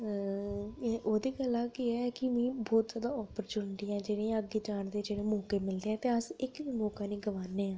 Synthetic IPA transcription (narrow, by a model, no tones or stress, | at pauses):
ʔoːd̪eːɡəlãːkɪɛɛːkɪmĩːbɔːt̪zaːd̪aːɔːpəɾt͡ʃuːnʈiːɛ̃ːd͡ʒeːɽẽːəɡːeːd͡ʒaːɳd̪eːd͡ʒeːɽeːmõːkeːmɪld̪eːɛ̃ːt̪eːəsɪkːmõːkaːniːɡəʋaːneːãː